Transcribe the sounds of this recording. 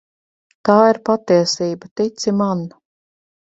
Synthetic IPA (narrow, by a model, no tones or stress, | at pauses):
t̪aːiɾpat̪iɛsiːbat̪it̪siman